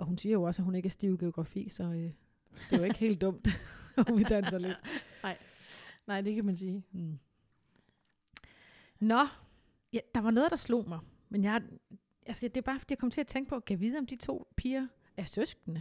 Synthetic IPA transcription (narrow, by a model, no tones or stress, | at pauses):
ʔɒ̽hunsiːɐjo̝ɒ̽sæɦhune̝ɡ̥æɐsd̥ḭːʊɡ̥e̝o̝ɡ̥ʁɑ̈fḭːsɒ̽ø | d̥e̝ʋae̝ɡ̥he̝̰ːld̥ɔ̽m̰d̥ɒʋid̥ænsɐle̝d̥ɑɪ̰nɑ̈ɪ̰d̥ekʰæmænsiː | nɒ̽ | jæd̥ɑ̈ʋɑ̈nɔ̽ːðˠd̥ɑ̈slo̝̰ːmɑ̈ɪ | menjɑ | ʔælsəjd̥e̝ɐbɑ̈ːfɒ̥d̥ḭjakʰɒ̽mt͡sʰe̝æt͡sʰeŋɡ̥̚pʰɒ̽kʰæʋiːð̞̩ˠɒ̽md̥it͡sʰo̝̰ːpʰiːɐ | ʔæɐsøsɡ̥nə